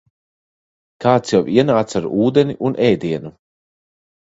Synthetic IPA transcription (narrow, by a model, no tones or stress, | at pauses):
kaːt̪sjawiɛnaːt̪saɾuːd̪eniʔunʔɛjd̪iɛnu